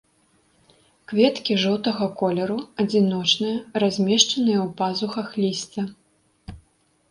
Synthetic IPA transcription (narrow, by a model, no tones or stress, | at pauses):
kvʲɛt̪kʲiʐɔwt̪ɐɣɐkɔlʲɛɾuɐd͡zʲinɔt͡ʂnɨjɐrazʲmʲɛʂt͡ʂɐnɨjɐwpazuxɐxlʲisʲt͡sʲɐ